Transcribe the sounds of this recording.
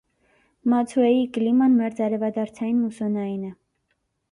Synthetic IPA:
mɑt͡sʰuɛjikəlimɑnmɛɾt͡sɑɾɛvɑd̪ɑɾt͡sʰɑjinmusɔnɑinə

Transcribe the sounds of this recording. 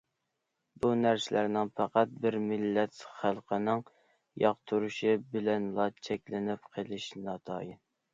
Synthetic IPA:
bunæɾsɪlʔæɾnɪŋpʰæqæt̪̚bɪɾmɪlːɛt̪χælˠqʰənɨŋ | jɑqt̪ʰuɾuʃibɪlɛnlˠɑt͡ʃʰɛkʲlɪnɪp̚qʰəlˠɪʃnɑt̪ʰɑ̰ːjɪn

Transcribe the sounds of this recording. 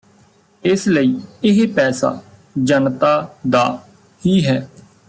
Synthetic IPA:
ɪsləiːɪɦpɛːsa̰ː | d͡ʒənt̪aːd̪aː | hiːɦɛː

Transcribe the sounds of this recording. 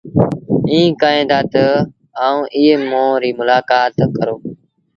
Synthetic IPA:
ĩːkaːẽːnd̪aːt̪ə | aːũːʔɪɦeːmõːɾiːmʊlaːkaːt̪kəɾoː

